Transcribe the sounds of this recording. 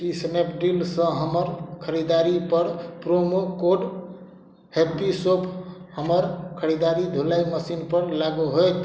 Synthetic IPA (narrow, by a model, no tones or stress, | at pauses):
kisnepɖilsə̃ɦəməɾkʰəɾid̪aɾipəɾpɾomokoɖ | hepisopʰhəməɾkʰəɾid̪aɾid̪ʱolajməsinpəɾlaɡuɦojt̪